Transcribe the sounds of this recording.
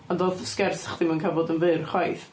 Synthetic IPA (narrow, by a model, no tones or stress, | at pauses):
andoːðskɛrsḁχd̥imankʰavɔdənvɨrχwajθ